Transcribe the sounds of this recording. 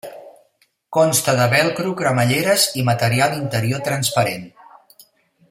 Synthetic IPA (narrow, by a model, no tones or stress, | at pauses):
kɔnst̪əðəβɛlˠkɾukɾəməʎeɾəzimət̪əɾialˠint̪əɾiot̪ɾənspəɾen